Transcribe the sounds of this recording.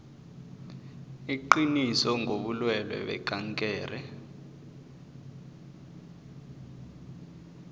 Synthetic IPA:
iǃinisɔŋʱoɓulwɛlwɛ̰ɓɛ̰ɡ̥ʱaŋkʼɛːrɛ

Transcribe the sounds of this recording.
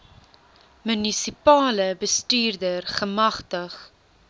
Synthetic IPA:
mynisipɑːləbəstyːrdərχəmɐχtəχ

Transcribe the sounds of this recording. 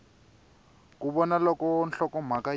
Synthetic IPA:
kuɓɔnalɔkɔnɬɔkɔm̤aka

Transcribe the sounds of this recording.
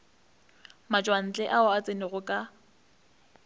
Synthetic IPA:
mat͡ʃʼwan̩t͡ɬʼɛʔaʊat͡sʼenɪɣʊkʼa

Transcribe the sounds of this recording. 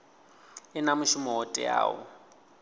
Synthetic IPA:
ɪnamʊʃumɔɦɔtʼɛ̰ja̰ːwɔ̰

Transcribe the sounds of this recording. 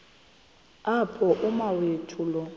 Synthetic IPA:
apʰɔʔʊmawetʰulɔ

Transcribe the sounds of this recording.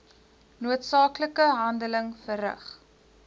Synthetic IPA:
nuətsɑːkləkəɦɐndələŋfərə̰χ

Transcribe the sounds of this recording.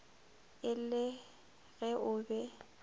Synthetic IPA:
ɪlɪ | ɣɛʔʊbɛ

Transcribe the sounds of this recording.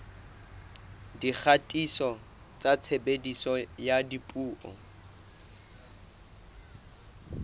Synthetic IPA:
dik͡xʰatʼisɔ | t͡sʼat͡sʰebedisɔjadipʼuːʔɔ̰

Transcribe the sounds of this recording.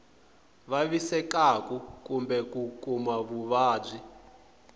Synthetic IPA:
βaβisɛkakukumbɛkukʼumaβuβaːb͡ʐʷi

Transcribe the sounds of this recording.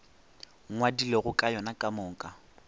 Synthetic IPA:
ŋŋwadileɣʊkʼajɔnakʼamɔːkʼa

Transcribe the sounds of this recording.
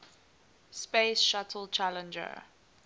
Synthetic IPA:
speɪsʃatʰəl̩t͡ʃʰalə̃nd͡ʒə̰

